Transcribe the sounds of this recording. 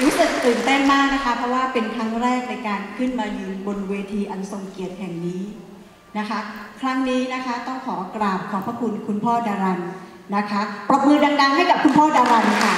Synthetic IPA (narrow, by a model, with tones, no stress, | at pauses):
ɾuː˦˥sɯ˨˩k̚t̪ɯː˨˩nt̪e˥˩nmaː˥˩k̚na˦˥kʰa˦˥pʰɾɔ˦˥waː˥˩pe˧nkʰɾa˦˥ŋɾɛː˥˩k̚na˧jkaː˧nkʰɯ˥˩nmaː˧jɯː˧ŋbo˧nweː˧t̪ʰiː˧ʔa˧nso˨˩ŋki˨˩ət̪̚hɛ˨˩ŋniː˦˥ | na˦˥kʰa˦˥kʰɾa˦˥ŋniː˦˥na˦˥kʰa˦˥t̪ɔ˥˩ŋkʰɔː˩˦kɾaː˨˩p̚kʰɔː˩˦pʰɾa˦˥kʰu˧nkʰu˧npʰɔː˥˩daː˧ɾa˧n | na˦˥kʰa˦˥pɾa˧mɯː˧n̚daː˧ŋdaː˧ŋɦa˥˩jka˨˩p̚kʰu˧npʰɔː˥˩daː˧ɾa˧nkʰa˥˩